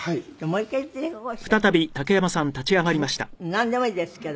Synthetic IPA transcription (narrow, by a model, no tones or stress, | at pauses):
hai̥moikːait̪ːeoɸɯ̟̥t̪at̪abʲit̪ake̞jamasãnt̪at͡ɕiamaɾʲimaɕi̥t̪a̰nãnd̪e̞moiːd̪esɨ̥ked̪